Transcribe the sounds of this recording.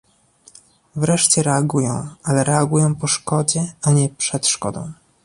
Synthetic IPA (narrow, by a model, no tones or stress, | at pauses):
vɾɛʂt͡ɕɛɾɛaɡujɔ̰̃w̃alɛɾɛaɡujɔ̃w̃pɔʂkɔd͡ʑɛaɲɛpʂɛt̪ʂkɔ̰d̪ɔ̰̃w̃